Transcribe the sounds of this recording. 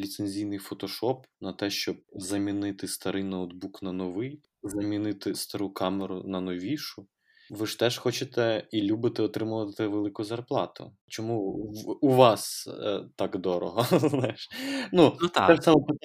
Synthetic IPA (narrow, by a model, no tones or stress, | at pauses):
lʲit̪senʲzʲijnɪjfɔt̪ɔʃɔpnɐt̪ɛʃt͡ʃɔb̚zɐmʲinɪt̪ɪst̪ɐɾɪjnɐɔd̪buknɐnɔʋɪj | zɐmʲinɪt̪ɪst̪ɐɾukɑmeɾʊnɐnɔʋʲiʃʊ | ʋɪʃt̪ɛʃxɔt͡ʃet̪ɛilʲubɪt̪ɛɔt̪ɾɪmʊʋɐt̪ɛʋelˠɪkʊzɐrplˠɑt̪ʊ̰ | t͡ʃɔmuuʋɑst̪ɑkd̪ɔɾɔ̰ɦɔzznɑjɪʃnuɛsɑmɔp